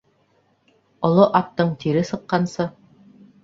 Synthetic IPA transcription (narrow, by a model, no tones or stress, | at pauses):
ŏlˠoʔɑp̚t̪ɤɴt̪iɾɘsɤ̆qːɑnsɤ